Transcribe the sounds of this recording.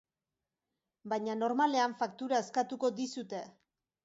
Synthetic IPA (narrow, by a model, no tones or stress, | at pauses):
bajɲano̞ɾmale̞aɱfakt̪uɾae̞skat̪uko̞d̪isut̪e̞